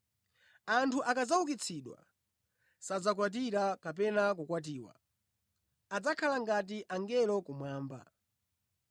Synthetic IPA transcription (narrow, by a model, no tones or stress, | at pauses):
antʰuʔakad͡zauk̬it͡sʰiɗwa̰ | sad͡zakwat̬iɾakap̬ɛnakukwat̬iːwa̰ | ad͡zakʰalaŋɡat̬iʔaŋɡɛlɔkumwaːmba̰